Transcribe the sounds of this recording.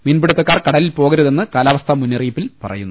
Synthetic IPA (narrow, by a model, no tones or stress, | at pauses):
minbiɽut̪ːɐkːaːrkɐɽɐlilpo̞ːɣɐɾuðe̞nːɨkaːlaːʋɐst̪ʰɐmunːiriːpːilpɐ̰rɐ̰jṵnːu